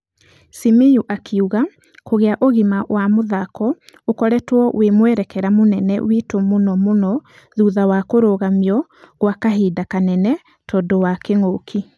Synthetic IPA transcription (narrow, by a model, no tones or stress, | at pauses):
simejuʔakʰeuɣa | koɣeaʔoɣimawamoðakɔokɔɾɛtwɔʔwemwɛɾɛkɛɾamonɛnɛ̰witomonɔmonɔ | ðuːðawakoɾoɣamiɔɣwakaɦidakanɛnɛ | tɔdɔwakeŋokʰi